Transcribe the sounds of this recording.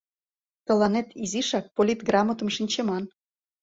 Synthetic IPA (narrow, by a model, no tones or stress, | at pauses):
t̪ə̆lɑnet̪iziʃɑk̚polʲit̪ɡrɑmot̪ə̆mʃinʲt͡ɕemɑn